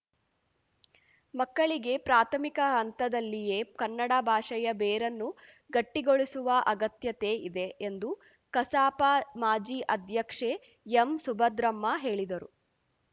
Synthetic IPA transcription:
mɐkːɐɭiɡe̞pɾaːt̪ʰɐmikɐɦɐnt̪ɐd̪ɐlːije̞ːkɐnːɐɽɐbʱaːʂɐjɐbɛːɾɐnːu | ɡɐʈːiɡoɭisuʋɐʔɐɡɐt̪jɐt̪e̞id̪e̞ʔːnd̪u | kɐsaːpamaːd͡ʒiːʔɐd̪ʱjɐkʂe | emsubʱɐd̪ɾɐmːɐɦe̞ːɭid̪ɐɾu

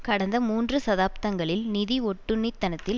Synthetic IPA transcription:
kɐɽɐnd̪ɐmuːndrɯsɐðaːp̚t̪ɐŋɡɐɭɪlnɪðiɔʈːɯnːɪt̪ːɐnɐt̪ːɪl

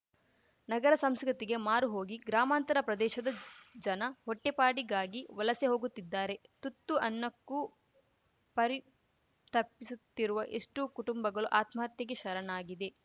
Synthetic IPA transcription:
nɐɡɐɾɐsɐmskɐt̪iɡe̞maːɾuɦo̞ːɡiɡɾaːmaːnt̪ɐɾɐpɾɐd̪ɛːʃɐd̪ɐd͡ʒɐnɐhɔʈːepaːɽiɡaːɡiʋɐlɐseɦo̞ːɡut̪ːid̪ːaːɾe̞t̪ut̪ːuʔɐnːɐkːu | pɐɾi | t̪ɐpːisut̪ːiɾuʋɐʔeʂʈukuʈumbɐɡɐɭuʔaːt̪mɐːɐt̪jɐɡeʃɐɾɐnaːɡid̪e̞

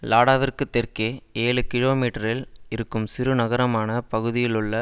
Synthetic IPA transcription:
laːɽaːʋɪrkɯt̪ːɛrkeːeːɭɯkɪɻoːmiːʈɐɾɪlɪɾɯkːɯmsɪɾɯnɐɣɐɾɐmaːnɐpɐɣɯðɪjɪlɯɭːɐ

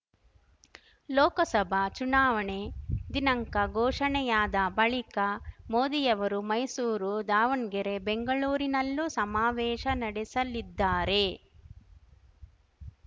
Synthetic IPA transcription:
lɔːkɐsɐbʱɐt͡ʃunaːʋɐɳe̞d̪inɐŋkɐɡɔːʂɐɳɛjaːd̪ɐbɐɭikɐmoːd̪ijɐʋɐɾumɐjsuːɾud̪aːʋɐɳɡeɾe̞beŋɡɐɭuːɾinɐlːusɐmaːʋɛːʃɐnɐɽɛsɐlid̪ːaːɾe̞

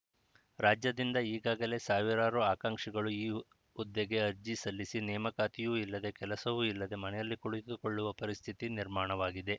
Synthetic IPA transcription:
ɾaːd͡ʒjɐd̪ind̪ɐiːɡaːɡɐle̞saːʋiɾaːɾuaːkaːŋʂiɡɐɭuiː | ud̪ːeɡe̞ɐɾd͡ʒisɐlːisinɛːmɐkaːt̪ijuːilːɐd̪e̞kɛlɐsɐʋuːilːɐd̪e̞mɐnɛjɐlːikuɽit̪uko̞ɭːuʋɐpɐɾist̪ʰit̪iniɾmaːɳɐʋaːɡid̪e̞

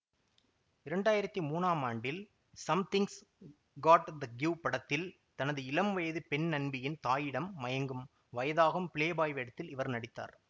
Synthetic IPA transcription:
ɪɾɐɳɖaːjɪɾɐt̪ːimuːnaːmaːɳɖɪl | sɐmt̪ɪŋs | ɡaːʈd̪ɐɡjuːpɐɽɐt̪ːɪl | t̪ɐnɐðɯɪlɐmʋɐjðɯpɛnnɐnbɪjɪnt̪aːjɪɽɐmːɐjɐŋɡɯm | ʋɐjɐðaːɣɯmpɪɭeːbaːjʋɛɽɐt̪ːɪlɪʋɐɾnɐɽɪt̪ːa̰ːɾ

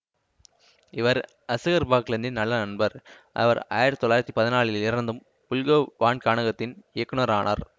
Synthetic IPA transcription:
ɪʋɐɾ | ɐsɯɣɐɾbaːkɪlɐnd̪ɪnɐlːɐnɐɳbɐɾ | ʔɐ̰ʋɐ̰ɾa̰ːjɪɾt̪t̪ɔlːaːɪɾɐt̪ːipɐðɪnaːɭɪlɪɾɐnd̪ɯm | pʊlɣɐʋaːɳkaːɳɐɣɐt̪ːɪneːkːɯnɐɾaːɳʔa̰ːɾ

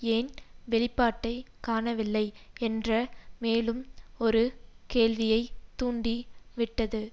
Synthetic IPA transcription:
eːnʋɛɭɪpːaːʈːɐɪkaːnɐʋɪlːɐɪɛndrɐmeːlɯmɔɾɯkeːɭʋɪjɐɪt̪ːuːɳɖiʋɪʈːɐðɯ

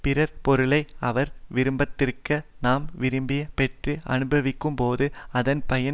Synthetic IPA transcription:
pɪɾɐɾpɔɾɯɭɐɪɐʋɐɾʋɪɾɯmbɐt̪ːɪrkɐnaːmʋɪɾɯmbɪjɐpɛʈrɯɐ̰nɯbɐʋɪkːɯmpoːðɯɐðɐnpɐjɐ

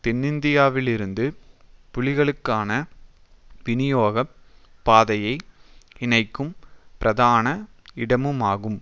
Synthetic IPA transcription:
t̪ɪnːɪnd̪ɪjaːʋɪlɪɾɯnd̪ɯpʊɭɪɣɐɭɯkːaːnɐ | ʋɪnɪjoːɣɐ | pːaːðɐjɐɪɪnɐɪkːɯmpɪɾʔɐðaːnɐɪɽɐmɯmaːɣɯm

